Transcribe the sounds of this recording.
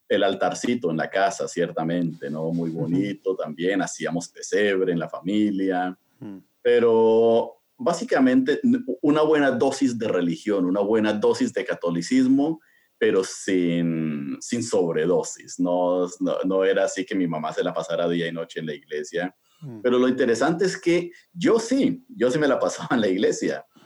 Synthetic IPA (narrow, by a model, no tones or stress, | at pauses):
e̞lalt̪aɾsit̪oenla̰kasasje̞ɾt̪amẽ̞nt̪e̞nomujβo̞nit̪o̞t̪ambje̞nasiamo̞spe̞se̞β̞ɾe̞ːnlafamilja | pe̞ɾo | basikamẽnt̪e̞unaβwe̞naðo̞sizd̪e̞relixjo̞nunaβwe̞naðo̞sizd̪e̞kat̪o̞lisizmo̞ | pe̞ɾo̞sinsinso̞βɾe̞ðo̞sisnono̰no̞e̞ɾaːsike̞mimamase̞lapasaɾaðiaino̞t͡ʃe̞ːnlaiɣle̞sja | pe̞ɾo̞lo̞int̪e̞ɾe̞sant̪eeske̞ | ɟ͡ʝo̞siɟ͡ʝo̞sime̞lapasaβaenlaiɣle̞sja̰